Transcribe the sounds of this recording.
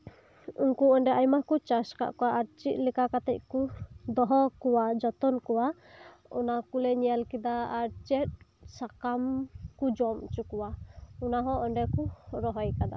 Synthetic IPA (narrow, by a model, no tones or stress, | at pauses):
ṵnkuɔɳɖɛʔajmakut͡ʃaska̰ʔkɔwaʔaɾt͡ʃit̪̚ˀlikakat̪ɛc̚kud̪ɔɦɔkɔwad͡ʒɔt̪ɔnkɔwa | ṵnakulɛɲijalkid̪aːɾt͡ʃɛt̪̚sakamkud͡ʒɔmt͡ʃukuwaunaɦɔ̃ɔɳɖɛkuɾɔɦɔjkad̪a̰